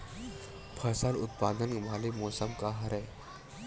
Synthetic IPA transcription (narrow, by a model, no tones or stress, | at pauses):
pʰəsalʊt̪̚pad̪ənmʱalemɔsəmkaɦəɾɛj